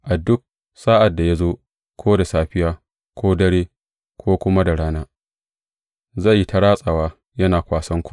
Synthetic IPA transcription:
ʔa˨dʊ˦k̚ | saː˦ʔa˨dːa˨ja˦zoː˦ | kʷʰoː˦da˨saː˨ɸɪ˦jaː˦ | kʷʰoː˦dɐ˦ɽeː˦ | kʷoː˦kʷʊ˦ma˦da˨ɽaː˦naː˦ | za˦˨jːi˦tʰa˦ɽaː˦sʼa˨waː˦ | jɐ˦naː˨kʷaː˨sɐ˦ŋkʷu̥˦˨

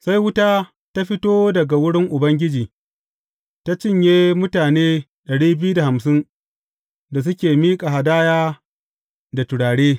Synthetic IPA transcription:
sa˦jwʊ˦taː˦ | ta˦ɸɪ˦toː˦dɐ˨ɡa˨wʊ˦ɽɪ˦ŋʔʊ˨bɐ˦ŋɡʲɪ˦d͡ʒiː˨ | ta˦t͡ʃɪ˦˨ɲjeː˦mʊ˦taː˨neː˦ | ɗɐ˨ɽiː˦bɪ˦ju˦da˨ha˨msɪ˦n | da˨s̬ʊ˦kʲeː˨miː˦kʼa˨ɦa˨daː˦jaː˦ | da˨tʊ˨ɽaː˨ɽeː˦

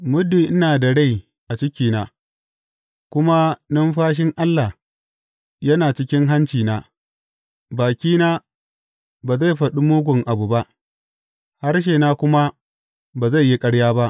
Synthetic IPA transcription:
mʊ˦dːiː˨ʔɪ˦naː˨dɐ˨ɽe˦˨j | ʔa˨t͡ʃɪ˦kʲiː˨naː˨ | kʷʊ˦ma˦nʊ˦mɸaː˦ʃ̬ɪ˦ŋʔa˦lːa˨h | jɐ˦naː˨t͡ʃɪ˦kʲɪ˦ŋɦa˦nt͡ʃiː˨naː˦ | baː˨kʲiː˦naː˦ | baː˨za˦˨ɸɐ˨ɗu˦muː˦ɡʷʊ˨ŋʔa˨bu˨ba˦ʔ | ha˦rʃ̬eː˨naː˦kʷʊ˦ma˦ | baː˨za˦˨jːi˦kʼɐ˦ɽjaː˦ba˦ʔ

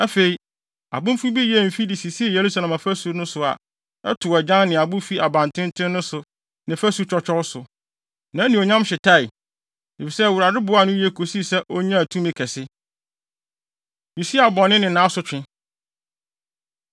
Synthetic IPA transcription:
æ˦fe˨i˨ | a̰˨bʊ̃˦m̩˦fu˦bi˦jɛ˦˨m̩˨fi˦di˨si˨si˦ɛ˦˨je˨ɾu˦sa˨lã˨ma˨fæ˦su˨˦nʊ̃˦sʊ˨a̰˨ | ɛ̰˦tʰʊ˨ɛ˨d͡ʑã˦nnɪ̃˨a˨bʊ̃˦fi˦ʔa˨bã˨ntʰɪ̃˦n˦tʰɪ̃˦nʊ̃˦sʊ˨ | nɪ̃˨fæ˦su˦t͡ɕʰᶣɔ˦t͡ɕʰᶣɔ˦wsʊ˨ | nã˨˦nĩ˨o˨ɲã˦mɕɪ˨tʰa˦˨ɪ˨ | de˨fi˨sɛ˦˨wu˨ɾa˨dʊ˦bʊ˨˦a˨nʊ̃˦jɛ˦kʰo˨si˦sɛ˦ʔo˦ɲã˦˨tʰũ˦mɪ̃˦kʰɛ˨sɪ˦ | ji˨si˦a˨bɔ˨nɪ̃˦nɪ̃˨nã˦sʊ˨t͡ɕᶣɪ̃˦

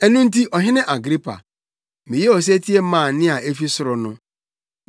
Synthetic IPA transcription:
ɛ˦nʊ̃˦n̩˦ti˦ʔɔ˨ɦɪ̃˦nɪ̃˦ʔa˨ɡɾi˦pʰa̰˨ | mĩ˨je˦ɔ˨s̬e˦tʰi˦e˦mã˨nɪ̃˦a˨e˦fi˦sɾʊ˨nʊ̃˦

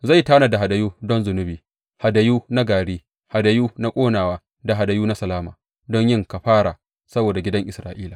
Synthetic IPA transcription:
za˦˨jtaː˦na˨da˨ɦa˨da˨juː˦dɔ˦nzʊ˨nʊ˦biː˨ | ha˨da˨juː˦na˦ɡaː˨ɽiː˦ | ha˨da˨juː˦na˦kʷʼoː˦naː˨waː˦ | da˨ɦa˨da˨juː˦na˦sɐ˨laː˦maː˨ | dɔ˦ɲjɪ˦˨ŋka˨ɸaː˦ɽa˨ | sɐ˦boː˨da˨ɡʲɪ˦dɐ˦ŋʔɪ˨sɾaː˨ʔiː˦laː˨

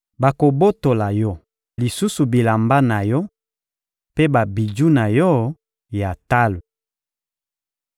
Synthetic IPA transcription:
ba˨ko˨bo˦to˨la˨jɔ˦ | li˨su˦su˨bi˨la˨mba˦na˨jɔ˦ | pe˦ba˨bi˨d͡ʒu˦na˨jɔ˦ | ja˨ta˦lo˨

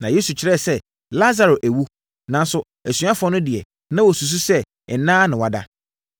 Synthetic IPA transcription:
nã˨je˦su˨t͡ɕʰɪ˨ɾɛ˦˨sɛ˦ | la˦za˨ɾo˨ʔæ˨wu˦ | nã˨n̩˦sʊ˦ | æ˨sɥa˦fɔ̃˦nʊ̃˦dɪ˨ɛ˨ | nã˦wɔ˨su˨s̬u˦sɛ˦ | ɛ˨nãː˦nɪ̃˨wa˨da̰˦

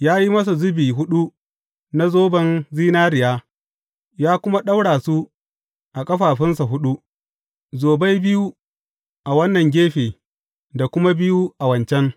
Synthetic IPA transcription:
jaː˦ji˦mɐ˦s̬u˨zʊ˦biː˨ɦʊ˦ɗu˦ | na˦zoː˦bɐ˦nziː˦naː˦ɾɪ˨jaː˦ | jaː˦kʷʊ˦ma˦ɗa˦wɽaː˨su˦ | ʔa˨kʼɐ˦ɸaː˨ɸɪ˦nsa˨ɦʊ˦ɗu˦ | zoː˨bɐ˦jbɪ˦ju˦ | ʔa˨wɐ˦nːɐ˨ŋɡʲeː˦ɸeː˨ | da˨kʷʊ˦ma˦bɪ˦ju˦ʔa˨wɐ˨nt͡ʃɛ˦ŋ

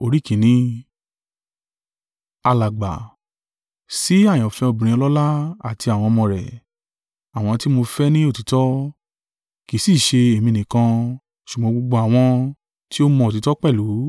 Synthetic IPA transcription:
o˧ɾi˦˨kĩ˨˦nĩ˧˦ | a˧la˨ɡ͡ba̰˨ | si˦a˦˨j̃ɔ̃˨fɛ˧o˧bĩ˨ɾ̃ĩ˧ɔ˧lɔ˦la˦a˨ti˧a˨w̃ɔ̃˧mɔ̃˧ɾɛ̰˨ | a˨w̃ɔ̃˧ti˦mo˧fɛ˦nĩ˦o˦˨ti˨˦tɔ˦ | ki˨˦si˦˨ʃe˧e˨mĩ˧˨nĩ˨kã˧ | ʃu˨ɡ͡bɔ̃˨˦ɡ͡bo˧ɡ͡bo˧a˨w̃ɔ̃˧ | ti˦o˦mɔ̃˧o˨t̬i˨˦tɔ˦k͡pɛ˦˨lu˨˦

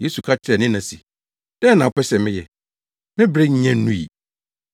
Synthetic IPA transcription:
je˦su˨kʰa˦t͡ɕʰɪ˦ɾɛ˨nɪ̃˦nã˨si˨ | d̥ɛ˦nã˨pɛ˦ɕɛ˨mɪ̃˦jɛ˨ | mɪ̃˦bɾe˦ɲ̩˦ɲã˦ũ˦ḭ˨

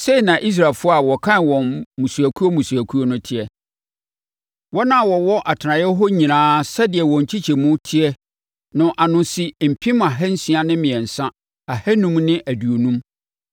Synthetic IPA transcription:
se˦i˨nã˨ʔi˦s̬ɾaː˨lfʊ˦ɔ˦a˨wɔ˨kʰã˦nwɔ̃˨nmũ˨su˨æ˨kʰu˦o˦mũ˨su˨æ˨kʰu˦o˦nʊ̃˦tʰɪ˦ɛ˨ | wɔ˦nã˦˨wɔ˨wɔ˦ʔa˨tʰɪ˨nã˨jɛ˦ɦɔ˦ɲĩ˨nãː˦sɛ˦dɪ˨ɛ˨wɔ̃˨ɲ̩˨t͡ɕʰi˦t͡ɕʰɛ˨mʊ̃˦tʰɪ˦ɛ˦ | nʊ̃˨ʔa˨nʊ̃˨si˦m̩˨pʰĩ˦m˦a˨ɦɛ˦n̩˦si˦a˨nɪ̃˦mɪ̃˨ɛ̃˨n̩˨sã˦ | a˨hɛ˦nũ˦mnɪ̃˦ʔæ˨du˨o˨nũ˦m

